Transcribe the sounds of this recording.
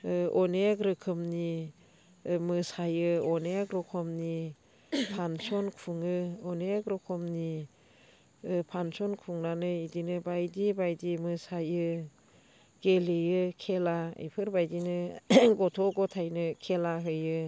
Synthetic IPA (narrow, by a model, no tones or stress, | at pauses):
ɯɔnekɾɯkʰɯmni | mɯsajɯɔnekɾɔkʰɔmni | pʰansɔnkʰuŋɯɔnekɾɔkʰɔmni | pʰansɔnkʰuŋnanɯidinɯbajdibajdimɯsajɯ | ɡ̥elɯjɯkʰelaḭjpʰɯɾbajdinɯɡɔtʰɔɡɔtʰajnɯkʰelaɦɯjɯ